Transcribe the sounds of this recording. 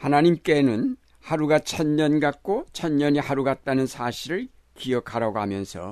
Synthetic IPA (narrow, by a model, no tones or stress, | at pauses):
hanaɲimk͈e̞nɯn | haɾuɡat͡ɕʰʌnɲʌnɡak͈ot͡ɕʰʌnɲʌɲihaɾuɡat̚t͈anɯnsʰaɕʰiɾɯɭ | kiʌkʰaɾaɡohamjʌnsʰʌ̰